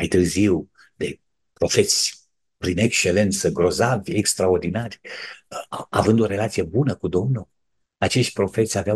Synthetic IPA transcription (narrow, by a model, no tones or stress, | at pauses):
majt̪ɨrziw | d̪e̞ | pɾo̞fe̞t̪sʲ | pɾinekt͡ʃe̞le̞nt̪səɡɾo̞zavʲekst̪ɾaord̪inarʲ | a̰vɨnd̪o̞ɾe̞lat̪sijebunəkud̪o̞mnul | at͡ʃeʃt̪̚ʲpɾo̞fet̪sʲavea